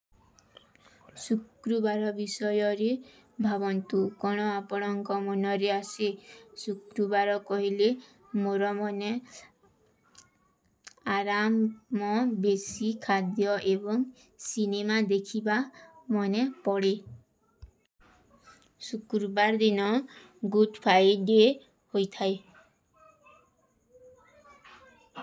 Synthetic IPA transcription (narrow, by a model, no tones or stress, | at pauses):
sukɾubaɾɔbisɔjɔɾe | bʱabɔnt̪ukɔɽ̃ɔapɔɽ̃ɔŋkɔmɔnɔɾeasesukɾubaɾɔkɔɦile | moɾɔmɔne | aɾamːɔbesikʰad̪jɔʔebɔŋ | sinemad̪ekʰibamɔnepɔɽe | sukɾubaɾd̪inɔ | ɡuɖpʰajɖe | hojt̪ʰaj